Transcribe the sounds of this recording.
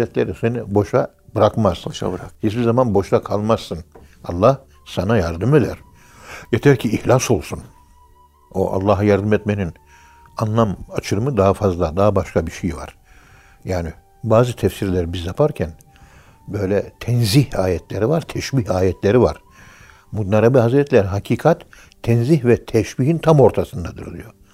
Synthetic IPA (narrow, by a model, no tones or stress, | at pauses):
ɛt̪lʲeɾisenibo̞ʃa | bɯɾakmaz̥hispizamanbo̞ʃt̪akʰalˠmazsɯn | alˠːah | sanajaɾd̪ɯme̞d̪æ̰ɾ̥ | jet̪ʰæɾcʰiːhlʲaso̞lˠsun | o̞̰ʔa̰lˠːaːɦajaɾd̪ɯmɛt̪menin | anlˠamat͡ʃʰɯɾɯmɯd̪aɦafazlˠad̪aɦabaʃkʰabiʃejva̰ɾ̥ | jaːni | baːzɯt̪ʰɛfsiɾlʲɛɾibizjapʰaɾcʰæn | bø̞jlʲɛt̪ʰɛnzihaːjɛt̪ʰlʲeɾivaɾt̪ʰɛʃbiɦaːjɛt̪ʰlʲeɾivaɾ̥ | mud̪naɾabɯɦazɾɛt̪lʲæɾɦacʰiːkʰat̪ʰː | ɛnzihvɛt̪ʰɛʃbiɦint̪ʰamo̞ɾt̪ʰasɯnd̪ad̪ɯ̰ɾd̪ijo